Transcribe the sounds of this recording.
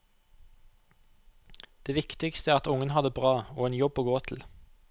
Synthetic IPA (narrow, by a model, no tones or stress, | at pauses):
d̪̥eːʋɪkt̪ɪkst̪əæɾʁɑt̪ʊŋənhɑd̪əbʁɑːoːeːnjɔboːɡoːt̪ʰl̩